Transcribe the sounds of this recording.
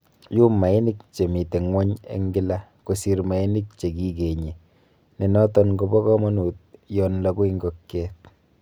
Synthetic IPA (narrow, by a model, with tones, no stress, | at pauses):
ju˦ma˨e˦ni˦k̚t͡ʃe˨mi˨te˨ŋwɔ˦ɲḛ˨˦ŋɡɪ˦lako˨si˦ɾma˨e˦ni˦k̚t͡ʃe˨ki˦ke˨ɲe˨ | ne˨nɔ˦tɔ˦nɡo˦bɔ˦kɔ˦mɔ˦nu˨t̚jɔnla˨ku˦i˦ŋɡɔkkɛ˦t̚